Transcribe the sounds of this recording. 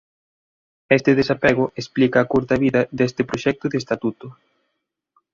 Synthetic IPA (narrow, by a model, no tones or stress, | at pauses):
est̪ɪðesapeɣ̞ʊʔesplikɐːkuɾt̪ɐβiðɐðest̪ɪpɾoʃɛk̚t̪ʊðeːst̪at̪ut̪ʊ